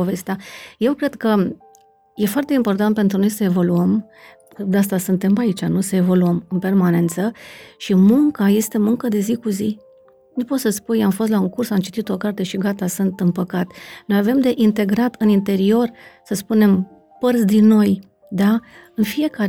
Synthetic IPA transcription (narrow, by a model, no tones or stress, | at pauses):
ove̞st̪aje̞wkɾe̞d̪kə | je̞foart̪e̞impo̞rt̪ant̪̚pe̞nt̪ɾuno̞jsəe̞vo̞luəm | kɨd̪as̬t̪asɨnt̪e̞mpait͡ʃanusəe̞vo̞luəmɨnpe̞rmane̞nt̪səʃimuŋkaje̞st̪e̞muŋkəd̪e̞zikuzi | nupo̞t̪səspujamfo̞st̪lauŋkursamt͡ʃi̥t̪it̪o̞kart̪e̞ʃiɡat̪asɨnt̪ɨnpəkat̪no̞jave̞md̪e̞ʔint̪e̞ɡɾat̪ɨnint̪e̞ɾio̞rsəspune̞m | pərt̪sd̪inːo̞j | d̪aɨnfije̞kaɾ